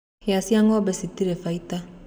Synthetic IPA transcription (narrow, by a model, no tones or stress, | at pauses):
easiaŋɔbɛsitiɾɛfaita